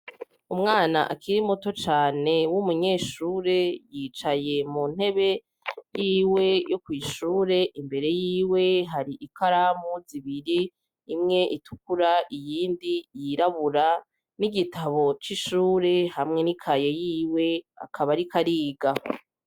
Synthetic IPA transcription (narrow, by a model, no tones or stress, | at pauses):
umŋaːna̰ʔakiɾimoto̞t͡ʃaːne̞wumuɲe̞ːʃuːɾe̞jiːt͡ʃaje̞mun̥he̞βe̞ | jiːwe̞jokwiːʃuːɾe̞ʔimbe̞ɾe̞jiːwe̞ɦaɾiʔikaɾamuziβiɾiː | mŋe̞ʔitukuɾaʔijiːndijiɾaβuɾa | niɡitʰaβo̞t͡ʃiʃuːɾe̞hamŋe̞nikʰaje̞jiːwe̞a̰kʰaβaɾikʰaɾiːɡa